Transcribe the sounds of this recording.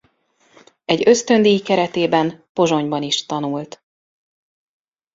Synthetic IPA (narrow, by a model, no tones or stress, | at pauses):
ɛɟø̞st̪ø̞nd̪ijikɛɾɛt̪eːbɛnpo̞ʒo̞ɲbɒniʃt̪ɒnult̪